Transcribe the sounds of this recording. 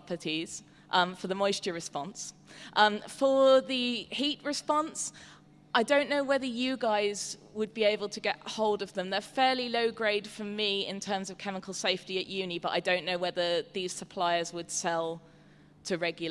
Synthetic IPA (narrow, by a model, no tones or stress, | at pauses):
pətʰiz̥ | ʔʌ̃mfəðəmɔɪst͡ʃəɹɪspɒ̃nsʔʌ̃mfəðəhiˑʔɹɪspɒ̃ns | ʔaɪdə̃ʊ̃nːəʊwɛðəjəɡaɪz | wəd̚bieɪbəlˠtʰəɡɛ̰ʔhoʊlˠdəvðə̃mðəfɛːliləʊɡɹeɪd̥fəmiɪ̰̃ntʰɜːmzəv̥kʰɛmɪkʰəlˠseɪftiəʔjʉːnibʌtaɪdə̃ʊ̃nːəʊwɛðəðiːz̥səpʰl̥aɪəzwəd̥sɛlˠ | tʰəɹɛɡjl̩